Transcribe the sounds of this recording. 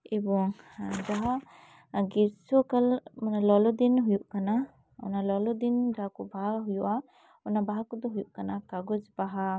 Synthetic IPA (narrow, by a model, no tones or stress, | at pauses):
ibɔŋ | d͡ʒaɦa | ɡisɔkalmanalɔlɔd̪inɦujuʔkana | ɔ̰nalɔlɔd̪ind͡ʒakɔbaɦaɦujuʔa | ɔnabaɦakɔd̪ɔɦujuʔkanakaɡɔd͡ʒbaɦa